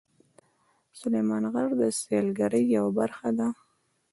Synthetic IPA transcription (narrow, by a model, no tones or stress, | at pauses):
sʊlejmɑnɣaɾd̪əselɡaɾəjːawabaɾxad̪a